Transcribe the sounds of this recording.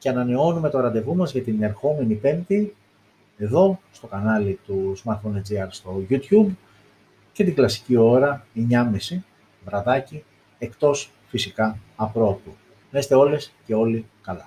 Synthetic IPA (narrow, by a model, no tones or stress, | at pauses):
ce̞ɐnɐne̞o̞nume̞t̪o̞ɾɐnd̪e̞vumɐzʝɐt̪ine̞ɾxo̞me̞nipe̞mt̪i | e̞ðo̞st̪o̞kɐnɐlit̪uzmɐɾt̪foned͡ziɐɾst̪o̞ʝut̪çub | ce̞t̪iɡlɐsi̥cio̞ɾɐeɲɐmisi | vɾɐðɐci | e̞kt̪o̞s | fisikɐːpɾo̞pu | nest̪e̞o̞le̞sce̞o̞likɐlɐ